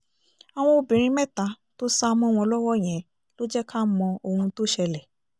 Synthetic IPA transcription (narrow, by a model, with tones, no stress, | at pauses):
a˨w̃ɔ̃˧o˧˨bĩ˨ɾ̃ĩ˧˦mɛ˦˨ta˧˦ | to˦sa˦˧mɔ̃˦˨w̃ɔ̃˧lɔ˦wɔ˦˨j̃ɛ̃˨˦ | lo˦d͡ʒɛ˦ka˦mɔ̃˧o˧hũ˧to˦ʃɛ˧lɛ˨